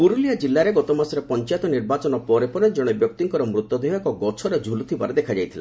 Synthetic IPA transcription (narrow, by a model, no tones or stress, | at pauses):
puɾuliad͡ʒilːaɾeɡɔt̪ɔmasɔɾepɔnt͡ʃajt̪ɔniɾbat͡ʃɔnɔpɔɾepɔɾed͡ʒɔɽ̃ebjɔk̚t̪iŋkɔɾɔmɾut̪ːɔd̪ʱiɦɔkɔɡɔt͡ʃʰɔɾed͡ʒʱulut̪ʰibaɾed̪ekʰad͡ʒajt̪ʰila̰